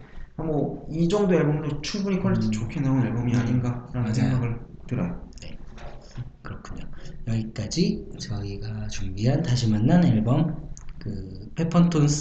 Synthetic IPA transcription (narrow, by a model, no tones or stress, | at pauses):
amʌid͡ʑʌŋdoeɭbʌmɯnot͡ɕʰuŋbuɲikʰʌɭːetʰet͡ɕokʰenaoneɭbʌmiaɲinɡaɾanɯnsʰeŋɡaɡɯɭtɯɾane̞̰ | kɯɾʌkʰuɲojʌɡik͈ad͡ʑit͡ɕʌiɡat͡ɕuŋbiɦantaɕʰimanːaneɭbʌmkɯpʰe̞pʰʌntʰons